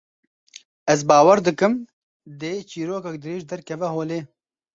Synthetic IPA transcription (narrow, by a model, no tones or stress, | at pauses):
ɛzbaːwɐɾd̪ɨkɨm | d̪eːt͡ʃiːɾoːkɐk̚d̪ɨɾeːʒd̪ɐɾkʰɛvɛhoːleː